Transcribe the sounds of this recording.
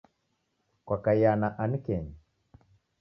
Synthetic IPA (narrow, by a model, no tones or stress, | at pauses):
kwakajanaʔanikɛɲi